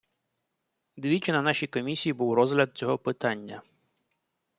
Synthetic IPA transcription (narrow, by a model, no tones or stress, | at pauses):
d̪ʋʲit͡ʃɪnɐnɑʃʲijkɔmʲisʲijibuwrɔzɦlʲɐd̪̚t͡sʲɔɦɔpɪt̪ɑnʲːɐ